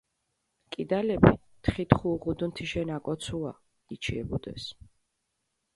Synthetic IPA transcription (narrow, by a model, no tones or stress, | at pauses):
kʼid̪alɛbit̪ʰχit̪χuːʁud̪nt̪ʰiʃɛnakʼɔt̪sʰua̰ | it͡ʃʰiɛ̰bud̪ɛ̰s